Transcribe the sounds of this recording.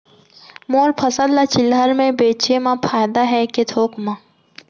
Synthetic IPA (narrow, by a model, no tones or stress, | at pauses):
moːɾpʰɐsəd̪lat͡ʃɪlɦəɾmẽbeːt͡ʃemãpʰaːjd̪aɦɛket̪ʰoːkmã